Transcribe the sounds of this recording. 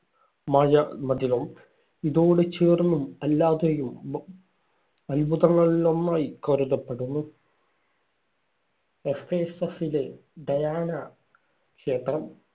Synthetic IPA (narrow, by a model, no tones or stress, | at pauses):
mɐjɐmɐd̪ilɐm | iðoːɽet͡ɕeːrnumɐlːaːðejum | ɐlbʱuðɐŋːɐɭilo̞nːaːjikoɾuðɐpːe̞ɽunːu | esteːsɐsile̞ɖɐjaːnɐ | kʂe̞ːt̪rɐm